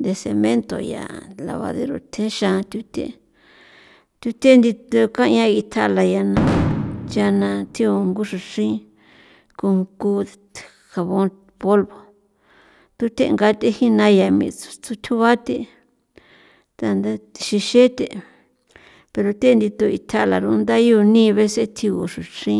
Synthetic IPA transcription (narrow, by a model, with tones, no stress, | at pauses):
nd̪e˧sḛ˧mẽ˦nt̪o̰˨ja̰˨la̰˨˧βa̰˧ðḛ˧ɾo̰˧˨t̪ʰẽ˦ʃã˧t̪ʲu˧t̪ʲḛ˦ | t̪ʲu˧t̪ʲe˦˧nd̪i˧t̪o˧kã˦˧ɲã˦i˧t̪ʰa˧la˧ja˧nã˧t͡ʃa˧nã˧t̪ʰĩ˦o˧ŋɡu˦ʂu˧ʂĩ˦ | ku˧ku˧ | xa˨βõ˧˦ | po˦lβo˨ | t̪u˧˦t̪e˧ŋɡa˧t̪e˦hi˦nã˧ja˨mḭ̃˧t͡su̥˧t͡su˧t̪ʲʰu˦βa˦t̪e˧ | t̪a˧nd̪a˦t̪i̥˧ʃi˧ʃe˦t̪e˨ | pe˧ɾo˧t̪e˦˧nd̪i˧t̪o˧ḭ˧t̪ʰa˧ʔla̰˨ɾu˧nd̪a˦jo˧nĩ˦˧βe˦se˦t̪ʰi˧ṵ˨ʂu˨ʂĩ˦